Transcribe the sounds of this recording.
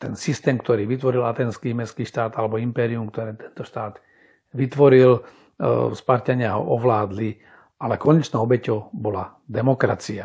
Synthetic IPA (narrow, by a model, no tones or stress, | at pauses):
t̪ɛnsist̪ɛːmkt̪ɔɾiːʋit̪ʋɔɾilat̪ɛːnskiːmɛskiːʃt̪aːd̪alɛbɔimpɛːɾiumkt̪ɔɾɛːt̪ɛ̥nt̪ɔʃt̪aːd̪ | ʋit̪ʋɔɾil | spaɾcaɲɪaɦɔ̰ʔɔʋlaːd̪li | ʔalɛkɔɲɛt͡ʃnɔːɔbɛcɔʊbɔla | d̪ɛmɔkɾa̰t͡sia